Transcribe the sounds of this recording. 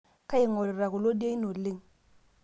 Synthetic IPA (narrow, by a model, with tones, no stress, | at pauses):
ka˦i˦˨ŋo˨ɾi˨ɾa˨ku˨lo˦di˦a˦i˦no˨li˦ŋ